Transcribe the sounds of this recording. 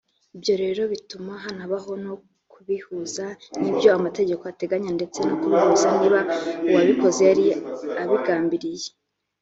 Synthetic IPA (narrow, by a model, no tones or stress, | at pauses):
ibjo̞ɾe̞ɾo̞βitumaɦanaβaɦo̞no̞ | kuβihuzanibjo̞amate̞ɟe̞ko̞ate̞ɡaɲande̞t͡se̞nakuɾuhuzaniːβauwaβiko̞ze̞aɾiaβiɡaːmbiɾije